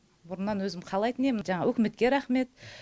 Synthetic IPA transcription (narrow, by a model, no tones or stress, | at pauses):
bʊɾənːɑnwɵzɪmqʰɑlˠɑjt̪ənemɪʒɑɴɑwʔɵkʲɪme̞t̪kʲe̞ɾæχme̞t̪